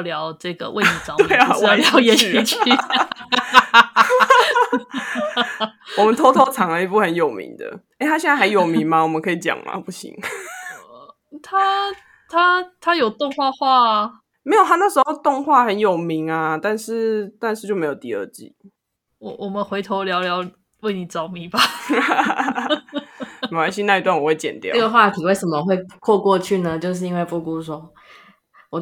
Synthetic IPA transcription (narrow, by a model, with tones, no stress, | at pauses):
ljɑ˧˦ʊʈ͡ʂɤ˥˩ɡə̰˩wʔḛ˥˩ɪni˨˩t͡st̪we˥˩ɪa˨wʊjɛ˨˥i˥t͡ɕ | wɔ˨˩˧mə˨˦nt̪ʰo˥t̪ʰo˥ʊt͡sʰɑ˨˥ŋlə˧i˧˥pu˥˩xə˧˦njɔ˨˩ʊmḭ˧˦ŋd̪ə̰˧˨ | e˥˩ɪt̪a˥ɕjɛ˥˧nt͡sa˥˩a˧˥ɪjo˨˩mi˨˦ŋma˨wɔ˨˩mə̃˨˦ŋkʰɤ˧˥i˨˩t͡ɕjɑ̰˨˩ŋma̰˨˦pu˥˩ɕḭ˧˥ŋ | t̪ʰa˦ | t̪ʰa˦t̪ʰa˦jo˨˩ʊt̪ɔ˥˧ŋxwa˥˧xwa˥˨ | me˧˥ɪjo˨˩ʊt̪ʰa˥na˥˩ʂ̩˧˥xo˥˧ʊt̪ʊ˥˧ŋxwa˥˩xə˧˦njo˨˩ʊmi˨˦ŋa˧t̪a˥˧nʂɻ̩˥˩t̪a˥˧nʂ̬ɻ̩˥˧t͡ɕjme˧˥jo˨˩t̪i˧˥ə̰˧˥t͡ɕḭ˨˩˦ | wɔ˨˩˦wɔ˨˩mə˨nxwe˧˥ɪt̪ʰo˧ʊljɑ˧˥ʊljɑ˧˥ʊ | we˥˩ɪni˨˩t͡sɑ˨˦ʊmi˨˩ba˨˩ | a˥ɕi˥˧na˥˩i˧t̪wa˥˩nwɔ˨˩we˥˩ɪt͡ɕjɛ̰˨˩nt̪jɑ̰˥˨˦ə˥ɡə˧xwa˥˩t̪ʰi˨˩we˥˩ɪʂə˨˩mə˨xwe˥˧ɪkʰwɔ˥˧kwɔ˥˧t͡ɕʰy˥˩nə˨t͡ɕjo˥˧ʊʂ̬ɻ̩˥˩i˥nwe˥˧ɪpu˥˩ku˥˩sɔ˥ | wɔ˨˩